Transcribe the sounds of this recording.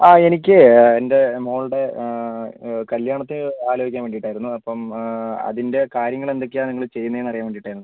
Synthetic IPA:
aːe̞nik̬ʲːɨende̞mo̞ːɭɽe̞ | kɐljaːɳɐt̪ːinɨaːloɡʱikʲːaːmʋeːɳɖiʈːaːjiɾunːuɐpːɐmɐ̰ðinde̞kaːɾjɐŋːɐɭe̞nd̪o̞k̬ʲːiaːniŋːɐɭɨt͡ɕe̞jːunːɐðenɐrijaːmeɳɖiʈːaːjɾunːuɨ

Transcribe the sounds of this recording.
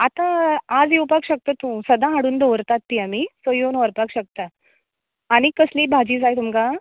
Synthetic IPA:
at̪ãad͡zjewpakɕək̚t̪ət̪ũsəd̪ãɦaɽuːnd̪oʋɾt̪at̪ːiamisəjonəɾpakɕək̚t̪a | aɽ̃ikəsliːbʱad͡ʑiːd͡zajt̪umka

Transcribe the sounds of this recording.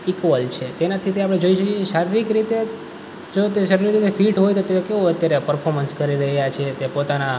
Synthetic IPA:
ikʋəlt͡ʃʰet̪enat̪ʰit̪eapɽ̃ed͡ʒoiʃəkjekeʃaɾiɾikɾit̪e | d͡ʒot̪eʃəɾiɾikɾit̪efʰiʈɦojt̪ot̪eokeoət̪jaɾepəɾfʰoɾmənskəɾiɾəɦjat͡ʃʰet̪epot̪ana

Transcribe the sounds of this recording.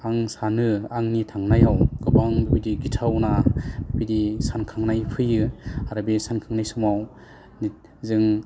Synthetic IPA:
aŋsanɯaŋnitʰaŋnajawɡɯbaŋbibidiɡitʰawnab̥ibidisankʰaŋnajpʰɯjɯaɾabisankʰaŋnajsɯmaw | nit̚ | zɯŋ

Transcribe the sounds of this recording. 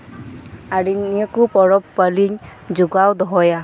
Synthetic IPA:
aɹiniɔkupɔɹɔpːəliɲd͡ʒuɡawd̪ɔɦɔja

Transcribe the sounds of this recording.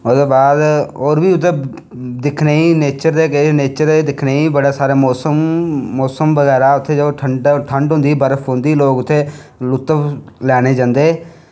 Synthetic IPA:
ʊsd̪oːbaːd̪oːɾbiːʊt̪ʰːeː | d̪ɪkʰneːiːneːt͡ʃəɾd̪eːkeneːt͡ʃəɾd̪eːd̪ɪkʰneːiːbəɽeːsaːɾeːmɔːsəmːɔːsəmʋəɣɛːɾaːʊt̪ʰːeːd͡ʒoːʈʰəɳɖʈʰəɳɖɦʊ̃nd̪iːbəɾəfʰɦʊ̃nd̪iːloːkʊt̪ʰːeː | lʊt̪ːəplɛːɽ̃eːd͡ʒãːnd̪eː

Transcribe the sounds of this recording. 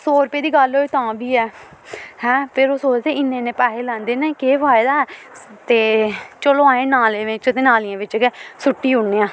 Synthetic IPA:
soːɾpeːd̪iːɡəloːeːt̪ãːbiːɛː | hɛ̃ːpʰɪɾoːsoːd͡ʒt̪eːɪnːẽːnẽːpaːɦeːlãːnd̪eːnẽːkeːʋaːd̪aːɛː | t̪eːt͡ʃəloːãːẽːnaːleːʋẽt͡ʃət̪eːnaːlɪjãːʋɪt͡ʃkːsʊʈːiːʊɳːeːãː

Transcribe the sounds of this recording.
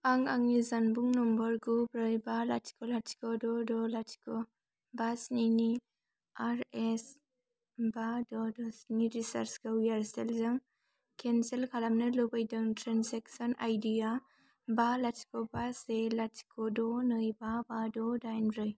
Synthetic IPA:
aŋaŋnizanbuŋnɔmbɐɾɡubɾɯjbalatʰi̥kɔlatʰi̥kɔdɔdɔlatʰi̥kɔ | basnini | aɾes | badɔdɔsniɾisaɾsɡawjaɾselzɯŋ | kʰenselkʰalamnɐlobajdɯŋtɾanseksɔnajdia | balatʰi̥kɔbaselatʰi̥kʰɔdɔnɯjbabadɔdajnɾɯj

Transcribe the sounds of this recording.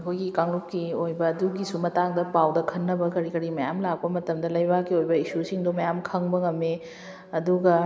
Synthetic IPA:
ɐkʰojɡikaŋlup̚kiojbɐːduɡisumɐtaŋdɐpawdɐkʰɐnːɐbɐkɐɾikɐɾimɐjamlak̚pɐmɐtɐmdɐlɐjbakiojbɐisusiŋdomɐjamkʰɐŋbɐŋɐme | ɐduɡɐ

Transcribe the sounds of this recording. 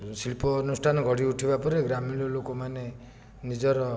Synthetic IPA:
silpɔnusʈʰanɔɡʱɔɽ̤iuʈʰibapɔɾeɡɾamiɭɔlokɔmane | nid͡ʒɔɾɔ

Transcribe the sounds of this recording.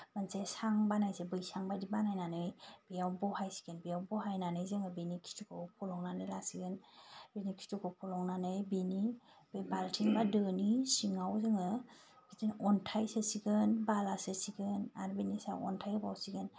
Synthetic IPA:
bansesaŋbanajsebɯjsaŋbadibanajnanɯjb̥ijawbɔhajsi̥ɡɯnbijawbɔɦajnanɯjzɯŋɯbinikʰi̥tʰukʰɯpʰɔlɔŋnanɯjlasiɡɯnbinikʰi̥tukʰɯwpʰɔlɔŋnanɯjbini | b̥ebaltʰiŋbadɯnisiŋawzɯŋɯ | b̥itɯnɔntʰajsɯsiɡɯnbalasɯsiɡɯna̰ɾbinisaɔ̰ntʰajɯbawsiɡɯn

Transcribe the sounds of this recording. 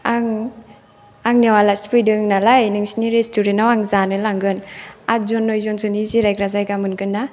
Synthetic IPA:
aŋ | aŋniawalaspɯjdɯŋnalajnɯŋsiniɾestuɾenawaŋzanɯjlaŋɡɯnat̚zɔnːɔjzɔnsʰɯniziɾajkɾazajɡamɯnkɯnːa

